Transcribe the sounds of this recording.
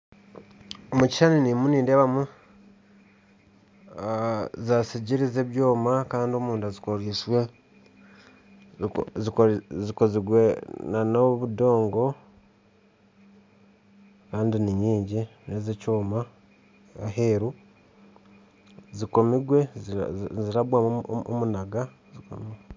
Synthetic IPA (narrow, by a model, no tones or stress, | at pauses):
omuci̥ʃaninimuniːndeβamu | zasiɟiɾize̞βjo̞ːmakaːndio̞muːndazikoɾiːswe̞ | ziziko̞ziɡwe̞nanoβudo̞ːŋɡo̞ | kaːndiniɲiːɲɟinezecoːma | aɦeɾu | ziko̞miɡwe̞zziɾaβwao̰munaɡa | ziko̰miɡwe